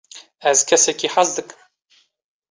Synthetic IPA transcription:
æzkʰʲasakʲʰʼiħazdɨkʼ

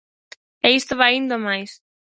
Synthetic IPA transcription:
ɛist̪oβajaind̪omajs

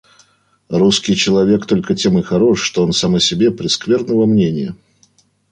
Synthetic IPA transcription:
ɾuskʲɪjt͡ɕɪlˠɐvʲe̞kt̪o̞lʲkətʲe̞mɨxɐɾoʂʂt̪oonsaməsʲɪbʲe̞pɾʲɪskvʲe̞rnəvəmnʲenʲɪjə

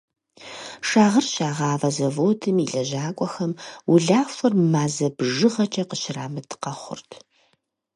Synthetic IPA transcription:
ʂaːʁɐrɕaːʁɑːvɐzɐvoːtʰɨmiɮɐʑaːkʷʼɔxɐmwʊɮaːfɨrmaːzɐbʒɨʁɐt͡ʃʼɐqəɕɪraːmɐtʰɨ̥qɐχʷʊ̰rtʰ

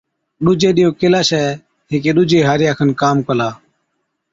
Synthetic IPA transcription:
ɗʊd͡ʒeːɗɪjoːkɪlaːsɛː | ɦɪːkeːɗʊd͡ʒeːɦaːɾjaːkʰənkaːmkəlaː

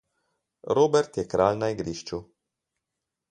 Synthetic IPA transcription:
ɾoːbɛɾt̪jɛkɾaːlnaiɡɾiʃt͡ʃu

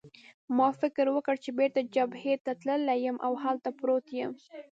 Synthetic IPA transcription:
mɑfɪkɾwəkəɽt͡ʃebeɾt̪ad͡ʒabhet̪at̪ləlajəmʔawhalt̪apɾot̪jəm

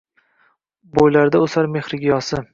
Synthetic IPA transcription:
bojlaɾd̪aʊsaɾme̞χɾɪɡʲijɒsɪ

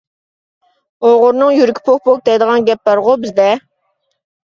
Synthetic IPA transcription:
oʁʊɾnɨŋjyɾkʲʰi̥pʰok̚pʰok̚d̪ɛjd̪əʁɑnɡʲɛpːɑɾʁʊbɪzd̪ɛ

